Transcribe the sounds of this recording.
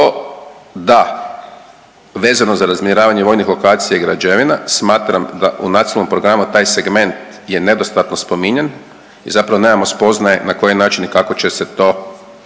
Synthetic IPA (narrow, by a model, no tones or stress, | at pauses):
o | d̪a | ʋe̞ːzanozaɾazmiɾaːʋaɲeʋo̞jnixlˠo̞kaːt̪sijaiɡɾad͡ʒeʋinasmaːt̪ɾamd̪aʔunat̪ilno̞mpɾo̞ɡɾamut̪aːjse̞ɡme̞nt̪ | je̞ne̞d̪o̞st̪at̪no̞spo̞miɲe̞n | izapɾaʋo̞nemamo̞spo̞znajenako̞jinaːt͡ʃinikako̞t͡ɕe̞set̪o̞